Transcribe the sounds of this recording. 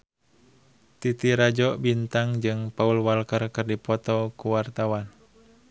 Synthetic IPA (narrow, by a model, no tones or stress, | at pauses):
t̪it̪iɾad͡ʒɔʔbint̪aŋd͡ʒɨŋpaulwalkərkɨrdipɔt̪ɔkuwart̪awan